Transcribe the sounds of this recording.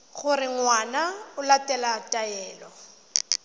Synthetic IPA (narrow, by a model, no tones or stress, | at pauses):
ɣʊrɪŋwanaʊlatʼɛlatʼajɛːlɔ